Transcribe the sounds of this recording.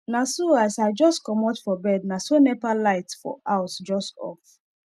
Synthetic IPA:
nasoasaɪd͡ʒɔstkɔmɔtfɔbɛdnasonɛpalaɪtfɔ̰ʔaʊsd͡ʒɔstɔ̰f

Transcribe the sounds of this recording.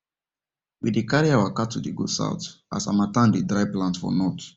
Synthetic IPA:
widekaɹiawakatʰːudeɡo̰sa̰ʊtʔa̰sa̰matãndedɹaɪplãntfɔ̰nɔt

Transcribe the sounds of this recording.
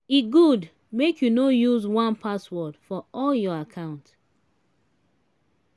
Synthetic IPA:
iɡud | mekʰjunojuzwãnpaswɔdfɔɔljɔakʰãʊ̃nt

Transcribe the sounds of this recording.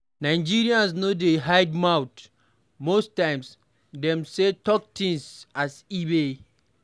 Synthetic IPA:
naɪd͡ʒiɾiãnsnodeɦaɪdmawt | mostãɪ̃ms | dɛ̃msetɔk̚tĩnsasibe

